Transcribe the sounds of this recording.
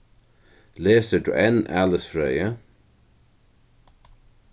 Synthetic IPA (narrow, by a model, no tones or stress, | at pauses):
leːsəd̪ṵʔɛnæ̰ləsfɾœjə